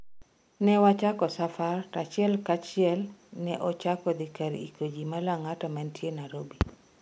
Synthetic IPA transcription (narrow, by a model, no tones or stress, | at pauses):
nɛwat͡ʃakɔsafartat͡ʃɪɛlkat͡ʃɪɛlnɛʔɔt͡ʃakɔd̪ikaɾḭkod͡ʒimalaŋatɔmɛntjenaɾobi